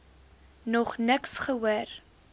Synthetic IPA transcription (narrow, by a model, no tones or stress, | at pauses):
nɔχnəksχəwuər